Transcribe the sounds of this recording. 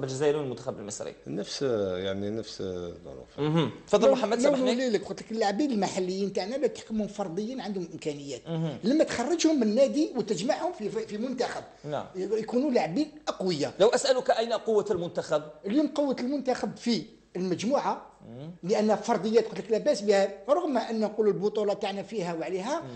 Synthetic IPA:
bæd͡ʒzæjɾunəlmʊnt̪axæbəlməsɾḭnəfsjaʕninəfsd̪o̰nṵfh̪fɑd̪ːˤəlmħamːæd̪lːiləkxʊt̪ləkəlːaʕbiləlmaħalːəjːint̪aʕnælæt̪ə̥ħkəmhʊmfɑɾˤd̪ˤəjːinʕand̪hʊmʔəmkænəjːæt̪̚ləmːæt̪xɑrˤːɑd͡ʒhʊmːənːæd̪iwət̪əd͡ʒmaʕhʊmfifimʊnt̪æxæb̰̚jkunulaʕbiʔqwəjːaləwʔæsʔælukʔæjnæqowːalmʊnt̪axæb̚əljumqowːət̪əlmʊnt̪axəbfi | əlməd͡ʒmuʕa | ləʔənːhæfɑɾˤd̪ˤəjːæt̪xʊt̪ləklæbæsbihæɾˤɑɣmæʔənːænqululbʊt̪ˤulɑt̪aʕnæfiɦæwəʕliɦæ

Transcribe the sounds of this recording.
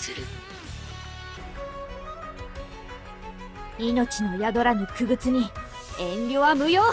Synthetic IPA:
ɨɾɯ | ino̞t͡ɕino̞jad̪o̞ɾaɲ̟ikɯɡɯ̟t͡sɨɲ̟i | ẽ̞nɾʲoːβamɯ̟joː

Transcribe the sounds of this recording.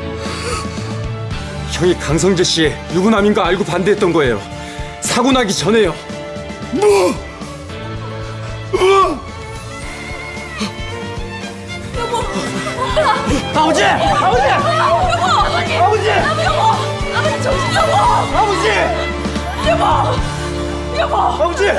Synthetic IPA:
kjʌŋikaŋsʰʌŋd͡ʑeɕ͈ie̞juɡunɦaminɡaːɭɡupandeet͈̚ʌnɡʌe̞jo̰ | sʰaɡunɦaɡit͡ɕʌne̞jo | bʌ | ad͡ʑed͡ʑe | aɡud͡ʑe | aɡud͡ʑe | ʌd͡ʑe

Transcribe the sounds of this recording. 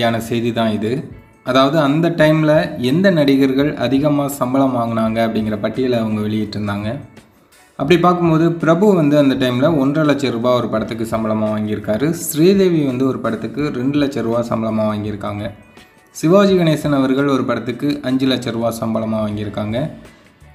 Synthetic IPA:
aːnɐsɛjðit̪ãːɪðɯ | ɐðaːʋɐðɯɐnd̪ɐʈːɐɪmlɐɛnd̪ɐnɐɽɪɣɐɾɣɐɭʔɐ̰ðɪɣɐmaːsɐmbɐɭɐmaːŋɡɐnaːŋɡɐɐpːɐɽɪŋɡɪɾɐpɐʈːɪjɐlɐɐʋɐŋɡɐʋɛɭɪjɪʈːɾɯnd̪aːŋɡɐ | ɐpːɐɽipaːɾkɯmpoːðɯpɪɾɐbɯɐʋɐnd̪ɯɐnd̪ɐʈ̬ːɐɪmlɐɔndrɐlɐt͡ʃːɐɾɯʋaːɔɾɯpɐɽɐt̪ːɯkːɯsɐmbɐlɐmaːʋaːŋɡɪɾɯkːaːɾɯsɾiːðeːʋiʋɐnd̪ɯɔɾɯpɐɽɐt̪ːɯkːɯɾɛɳɖɯlɐt͡ʃːɛɾɯʋaːsɐmbɐlɐmaːʋaːŋɡɪɾɯkːaːŋɡɐ | sɪʋaːd͡ʒɯɣɐneːsɐnɐʋɐɾɣɐɭɔɾɯpɐɽɐt̪ːɯkːɯʔɐɲd͡ʒɯlɐt͡ʃːɐɾɯʋaːsɐmbɐlɐmaːʋaːŋɡɪɾɯkːaːŋɡɐ

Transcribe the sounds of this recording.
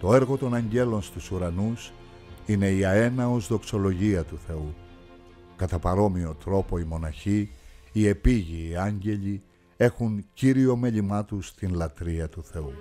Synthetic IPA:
t̪o̞e̞ɾɣo̞t̪o̞nɐɲɟe̞lo̞nst̪usuɾɐnus | ine̞iɐe̞nɐo̞zðo̞kso̞lo̞ʝiɐt̪uθe̞u | kɐt̪ɐpɐɾo̞mio̞t̪ɾo̞po̞imo̞nɐçiːe̞piʝiːɐɲɟe̞ʎi | e̞xunciɾio̞me̞ʎimɐt̪ust̪inlɐt̪ɾiɐt̪uθe̞u

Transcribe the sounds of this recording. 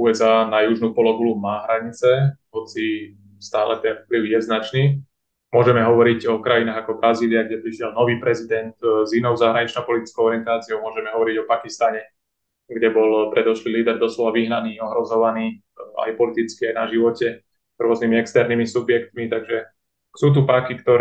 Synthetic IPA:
uɛzaːnajuʒnupɔlɔɡulumaːɦɾaɲit͡sɛɦɔt͡si | st̪aːlɛt̪ɛnfpliʊjɛznat͡ʃniː | mʊɔʒɛmɛɦɔʋɔɾiɟɔkɾajinaːɣakɔbɾaziːliaɡɟɛpɾiʃɪɛlnɔʋiːpɾɛzid̪ɛnt̪zinɔʊzaɦɾaɲit͡ʃnɔʊpɔlit̪i̥t͡skɔʊɔɾɪɛnt̪aːt͡siɔʊmʊɔʒɛmɛɦɔʋɔɾiɟɔpakist̪aɲɛ | ɡɟɛbɔlpɾɛd̪ɔʃliliːd̪ɛɾd̪ɔslɔʋaʋiɦnaniːɔɦɾɔzɔʋaniː | a̰jpɔlit̪it͡skiajnaʒiʋɔcɛ | zɾʊɔznimiɛkst̪ɛɾnimisubjɛkt̪mit̪aɡʒɛ | suːt̪̬upakikt̪ɔɾ

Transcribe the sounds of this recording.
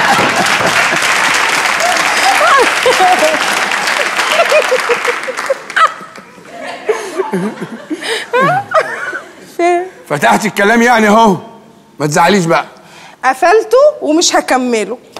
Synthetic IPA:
fefæt̪aħt̪ekːælæːmjaʕniho | mæt̪zaʕaliːʃ̬bæʔæ | ʔæfælt̪owemɪʃhækæmːɪlo

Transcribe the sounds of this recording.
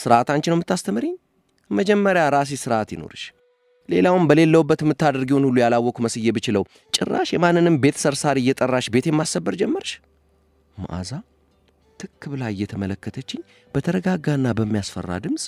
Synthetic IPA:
sɨɾʔat̪aɲt͡ʃːɪnəwmɨt̪ːast̪ʰəmɨɾeɲː | məd͡ʒɛmːəɾjaɾas̬ɛsɨɾat̪jɪno̰ɾɨʃ | le̞lawɨmbəle̞lːəwubːət̪mːɨt̪ːad̪ɨɾɡiho̞nhulːujalawːɔkuməsɨjːɛbɨt͡ʃɪləw | t͡ʃʼɪrːa̰ʃjɛmanːɨnɨmbe̞t̪ʰə̥səɾsaɾɨjːɛt̪ʼərːaʃbe̞t̪jɛmːasːəbːəɾd͡ʒɛmːəɾʃ | ma̰ʔa̰za | t̪ʰɨkːɨβlajɨjːɛt̪ʰəmələkːət̪ʰət͡ʃːɪɲː | b̥ət̪ʰəɾəɡaɡaɨnːabəmːijasfə̰rːa̰d̪ɨms

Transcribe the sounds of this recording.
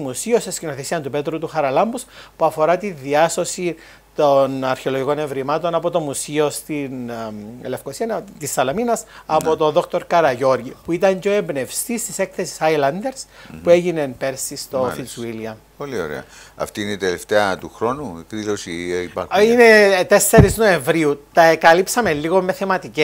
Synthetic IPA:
musio̞sescino̞θesiɐnt̪upe̞t̪ɾut̪uxɐɾɐlɐmbuspuɐfo̞ɾɐt̪inðiɐso̞si | t̪onɐɾçe̞oloʝiko̞nevɾimɐt̪o̞nɐpo̞t̪o̞musio̞st̪inelefkosiɐnt̪isːɐlɐminɐsɐpot̪o̞ðo̞kt̪o̞ɾkɐɾɐʝo̞ɾʝipuit̪ɐɲɟo̞embne̞fst̪ist̪ise̞kθe̞si̥sajlɐnd̪e̞ɾspue̞ʝine̞npe̞ɾsist̪o̞θinsuiliɐ | polio̰ɾḛɐ̰ | ɐ̰ft̪iːneit̪eleft̪eɐt̪uxɾo̞nukðilosiipɐine̞t̪e̞sːeɾizno̞e̞ɱvɾiut̪ɐekɐlipsɐmelːiɣo̞mːe̞θe̞mɐt̪ice

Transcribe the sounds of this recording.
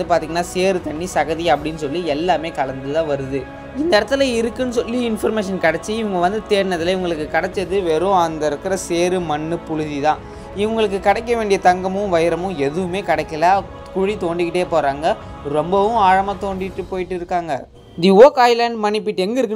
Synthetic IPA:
d̪ɯpaːɾt̪iːŋɡɐnːaːseːɾɯt̪ɐɳːisɐɣɐðiɐpːɐɽɪnːɯsɔlːiɛlːaːmeːkɐɭɐnd̪ɯt̪ãːʋɐɾɯðɯ | ɪnd̪ɐɪɾɐt̪ːɯlɐɪɾɯkːɯnːɯsɔlːiɪnfɐɾmeːʂɐnkɐɽɛt͡ʃːɯɪʋʊŋɡɐʋɐnd̪ɯt̪eːɾnɐðɪlɪʋʊŋɡɐɭɯkːɯkɐɽɛt͡ʃːɐðɯʋeːɾõːɐnd̪ɐɪɾɯkːɯɾɐseːɾɯmɐɳːɯpʊɻɯðit̪ãː | ɪʋʊŋɡɐɭɯk̬ːɯkɐɽɛk̬ːɐʋeːɳɖɪjɐt̪ɐŋɡɐmʊ̃ʋɐjɾɐmʊ̃ɛðɯʋɯmeːkɐɽɛkːɐla | kʊɻit̪oːɳɖɪkːɪʈːeːpoːɾaːŋɡɐ | ɾɔmbɐʋʊ̃aːɻɐmaːt̪oːɳɖɪʈːɯpoːjɪʈːɪɾɯkːaːŋɡɐ | d̪ioːkɐɪlɐːɳɖmɐnɪpːɪʈːɛŋɡɐɪɾɯkːɯ

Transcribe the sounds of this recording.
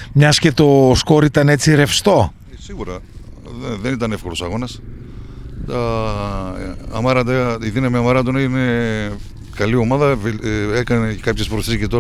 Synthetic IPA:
mɲɐsce̞t̪o̞sko̞ɾit̪ɐne̞t͡siɾe̞fst̪o̞ | esiɣuɾɐ | eðenit̪ɐne̞fko̞ɾo̞sɐɣo̞nɐs | t̪ɐ | mɐɾɐt̪eiðinɐmiɐmɐɾɐt̪onne | kɐlio̞mɐðɐvekɐnekɐpçespɾoθiscet̪o̞ɾ

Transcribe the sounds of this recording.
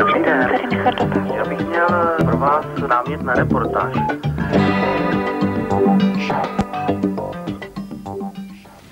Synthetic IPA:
it̪ɛsɛɾimɪxaɾd̪opjaːbɪxmɲɛlpɾovaːsnaːmɲɛt̪naɾɛpoɾt̪a̰ːʃ

